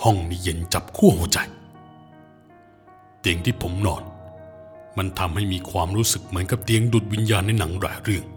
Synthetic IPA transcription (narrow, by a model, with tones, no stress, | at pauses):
hɔ˥˩ŋniː˧˩je˨˦nt͡ɕa˨˩p̚kʰu˥˩əhu˨˩˦t͡ɕa˧j | t̪i˧əŋt̪ʰiː˥˩pʰo˩˦mnɔː˧˩n | ma˧nt̪ʰa˧mha˥˩jmiː˧kʰwaː˧mɾuː˦˥sɯ˨˩k̚mɯ˩˦ənka˨˩˦p̚t̪i˧əŋdu˨˩t̪̚wi˧njaː˧nːa˧jna˩˦ŋɾa̰ː˨˩˦ɾɯ˥˩əŋ